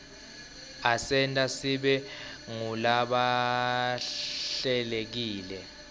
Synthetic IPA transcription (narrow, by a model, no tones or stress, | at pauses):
asɛntʼasiɓɛŋulaɓa | ɬɛlek̬iːlɛ